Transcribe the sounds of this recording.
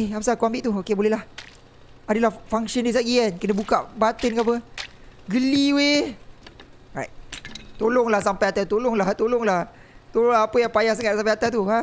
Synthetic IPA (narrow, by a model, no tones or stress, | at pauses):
eapasakuambɪʔt̪uokebolɛɦlah | adəlahfaŋsəndisaʔ̚ɡiɛnkənəbukaʔbat̪ənkaap̬əɡəliwe | ɹajt̪̚t̪olʊŋlahsampajat̪at̪olʊŋlaht̪olɔŋlah | t̪oloŋlaɦapəjaŋpajahsaŋat̪̚sampajat̪at̪ua